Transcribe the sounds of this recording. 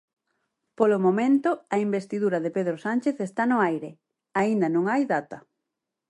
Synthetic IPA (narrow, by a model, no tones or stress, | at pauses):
polʊmomẽnt̪ʊɐimbest̪iðuɾɐðepeðɾosanʲt͡ʃeθest̪anʊajɾe | aind̪ɐnõŋajðat̪ɐ